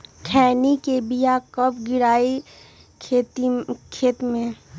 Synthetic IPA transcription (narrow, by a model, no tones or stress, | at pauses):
kʰɛːnikebijakəp̚ʰɡɪɾaːi | kʰet̪kʰeːt̪mẽ